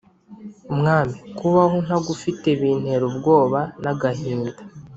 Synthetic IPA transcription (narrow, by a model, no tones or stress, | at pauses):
umŋaːmikuβahon̥haɡufiteβiːn̥he̞ɾobɡo̞ːβanaɡaɦiːndḁ